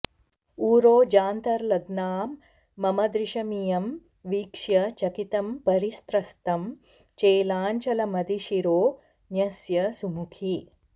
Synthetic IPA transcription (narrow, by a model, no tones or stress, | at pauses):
uːɾoːd͡ʒaːnt̪ɐɾlɐɡnaːmː | ɐmɐd̪ɾiʃɐmijɐm | ʋiːkʂjɐt͡ʃɐkit̪ɐmpɐɾist̪ɾɐst̪ɐm | t͡ʃeːlaːnt͡ʃɐlɐmɐd̪iʃiɾoː | njɐsjɐsumukʰi